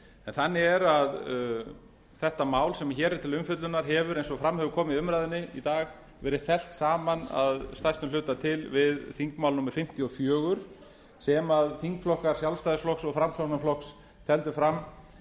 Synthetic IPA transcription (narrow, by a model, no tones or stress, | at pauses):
ɛnθanːɪɛɾað | θɛht̪amaːwlsɛmçɛːɾɪt̪ʰɪlʏmfʏt̪lʏnaɾɦɛvʏɾejnsɔfɾamːhɛvʏɾkʰɔːmɪʏmɾajðɪnːɪḭt̪aːɣ | vɛːɾɪθɛl̥t̪saːmana̰ðst̪ajst̪ʏmlʏːt̪at̪ʰɪlvɪðθiŋkmaːwlnumɪɾ̥fɪm̥t̪iɔfjœːɣʏɾ̥ | sɛmaðθiŋkflɔhkaɾ̥sjawlst̪ajðɪsflɔksɔɣfɾamsɔnaflɔks | t̪ʰɛlt̪ʏfɾamː